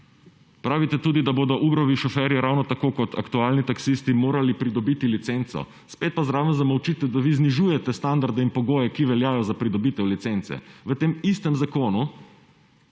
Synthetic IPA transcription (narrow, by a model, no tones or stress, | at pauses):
pɾaːʋit̪ɛt̪uːd̪id̪aboːd̪ɔʔuːbɾɔʋiʃɔfɛɾjɛɾawnɔt̪akoːkɔt̪ʰa̰kt̪uaːlnit̪aksist̪imoːɾalipɾid̪ɔbit̪ilit̪sent̪sɔ̰ | speːt̪̚pazɾaːʋəmzamɐwt͡ʃit̪ɛd̪aʋizniʒuːjɛt̪ɛst̪and̪aɾd̪ɛinpɔɡoːjɛkiʋɛljaːjɔzapɾid̪ɔbiːt̪ɛwlit̪sent̪sɛ̰ʋət̪eːmist̪ɛmzakoːnu